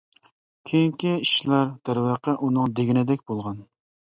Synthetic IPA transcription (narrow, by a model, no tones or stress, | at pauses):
kʲʰejiŋkʲʰiiʃlæɾd̪̥æɾwɑqʰəʔunɨŋd̪eɡʲinɪd̪ɛkʲbolˠʁɑn